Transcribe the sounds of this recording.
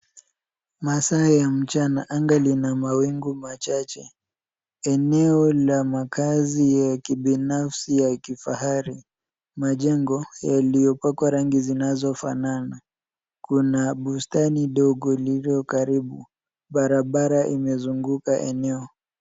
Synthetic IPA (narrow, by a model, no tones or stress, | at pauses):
masaːjam̩t͡ʃanaʔaŋɡalinamawiŋɡumat͡ʃat͡ʃɛ | ɛnɛɔlamakazijakiɓinafsijakifahaɾi | maʄɛŋɡɔjalijɔpakwaɾaŋɡizinazɔfa̰nana | kunaɓustaniɗɔɡɔlilɔkaɾiɓu | ɓaɾaɓaɾaʔimɛzuŋɡukaʔɛ̰nɛɔ